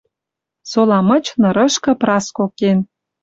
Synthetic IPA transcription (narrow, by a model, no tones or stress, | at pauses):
solɑmə̆t͡ɕnɤ̆ɾə̆ʃkɤ̆prɑskoken